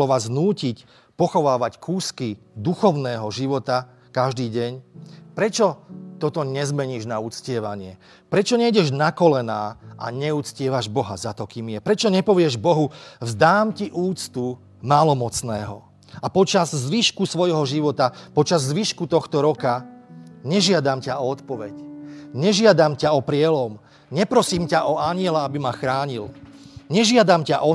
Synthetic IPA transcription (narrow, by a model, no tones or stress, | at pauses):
ɔʋaːznuːcic | pɔxɔʋaːʋackʰuːski | d̪uxɔʊnɛːɦɔʒiʋɔt̪a | kaʒd̪iːɟɛɲpɾɛt͡ʃɔt̪ɔt̪ɔɲɛzmɛɲiːʒnaut͡scɪɛʋaɲɪɛ | pɾɛt͡ʃɔɲɛjɟɛʒnakɔlɛnaːʔa̰ɲɛut͡scɪɛʋaʒbɔɦazat̪ɔkiːmjɛpɾɛt͡ʃɔɲɛpɔʋɪɛʒbɔɦuvzd̪aːmciʔuːt͡st̪u | maːlɔmɔt͡snɛːɦɔ̰ | apɔt͡ʃazzʋiʃkusʋɔjɦɔʒiʋɔt̪apɔt͡ʃazːʋiʃkut̪ɔxt̪ɔɾɔka | ɲɛʒɪad̪amcaɔɔt̪pɔʋɛcɲɛʒɪad̪amcaɔpɾɪɛlɔm | ɲɛpɾɔsiːmcaʔɔaɲɪɛlaabimaxɾaːɲilɲɛʒɪad̪amcaʔɔ